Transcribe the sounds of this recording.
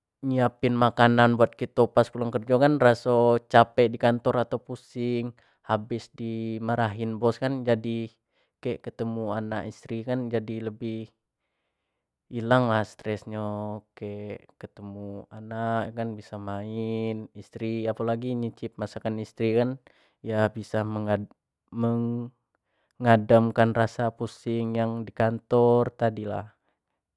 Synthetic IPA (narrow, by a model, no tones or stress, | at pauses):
ɲiapɪnmakananbuat̪̚kit̪opaskulaŋkərd͡ʒɔkanrasot͡ʃapɛdikant̪ɔɾat̪awpusɪŋ | habɪsdimaɾaɦinbɔskand͡ʒadi | kɛʔkət̪əmuanaʔist̪ɾikand͡ʒadiləbɪh | ilaŋlast̪ɾɛsɲɔkaʔkət̪əmuanaʔkanbisamaɪnist̪ɾiapalaɡiɲit͡ʃɪp̚masakanist̪ɾikan | ijabisaməŋa | məŋ | ŋadamkanrasapusɪŋjaŋdikant̪ɔrt̪adila̰h